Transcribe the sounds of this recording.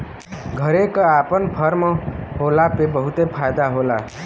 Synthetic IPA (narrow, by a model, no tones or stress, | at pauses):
ɡʱʌɾekapʌnpʰʌɾmʌɦolapebʌɦut̪epʰajd̪aɦola